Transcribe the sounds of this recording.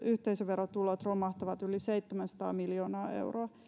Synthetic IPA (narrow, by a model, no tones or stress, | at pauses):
yht̪eisøʋerot̪ulot̪rolmɑht̪ɑʋɑt̪yliseit̪ːemænsɑ̥t̪ɑ̰ːmiljoːnɑːḛuwroɑ